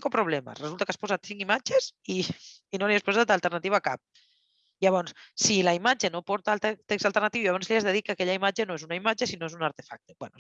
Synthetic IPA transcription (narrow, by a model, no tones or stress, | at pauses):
ŋkopɾoβlɛma̰sresult̪akaspɔzat̪θiŋimad͡ʒesiː | noliespozat̪alt̪eɾnat̪iβaka̰p̚ | iaβɔnssilaimad͡ʒenopɔɾt̪aːlt̪eksalt̪eɾnat̪iwijaβɔnsliazðeðikakeʎaimad͡ʒenoesunaimad͡ʒesinoesunaɾt̪efa̰k̚t̪ebwɛno